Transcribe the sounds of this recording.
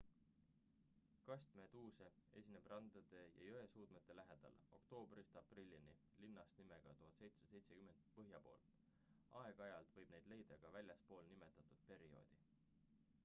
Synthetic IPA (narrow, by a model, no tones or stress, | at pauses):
kɑsʲt̪me̞d̪̥uːsee̞̰sʲine̞b̥rʔɑnd̪ɑd̪̥e̞jɑ̰jøe̞suːd̪̥met̪ːˑe̞læɦe̞d̪̥ɑ̰lo̞̰kt̪o̞ːbrist̪ɑprilʲːini | linːɑst̪nime̞ɡ̥ɑt̪uɦɑt̪se̞jt̪sed̪̥se̞jt̪se̞kyme̞nd̪̥̚pɤɦjɑpo̞̰ːl | ɑeɡ̥ɑɑjɑlt̪vɤjb̥ne̞jd̪̥le̞jd̪̥ɑɡ̥ɑvælʲjɑspo̞ːlnime̞t̪ːˑɑt̪ˑud̪̥̚pe̞ɾio̞̰ːd̪̥i